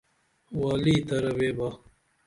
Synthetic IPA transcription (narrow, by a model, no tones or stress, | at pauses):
waːliːt̪ɐɾɐweːba